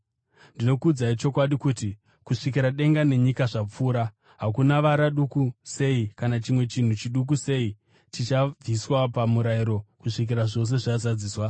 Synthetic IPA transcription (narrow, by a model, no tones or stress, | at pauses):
ndino̞kuːd͡zait͡ʃo̞kwaɗikuːti | kuʂikiɾaɗe̞ŋɡane̞ɲikaʐap͡fuːɾa | ɦakunaʋaɾaɗukuse̞ikanat͡ʃimwe̞t͡ʃin̤ut͡ʃiɗuk̬use̞i | t͡ʃit͡ʃaviswapamuɾaiɾo̞kuʂik̬iɾaʐo̞s̬e̞ʐazad͡ziːswa